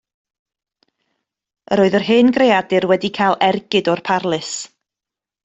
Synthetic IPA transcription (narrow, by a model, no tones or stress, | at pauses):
ə̰ɾoːɨðərɦɨːnɡrejadɪrwɛdikʰalˠɛrɡɨdɔrpʰarlˠɨs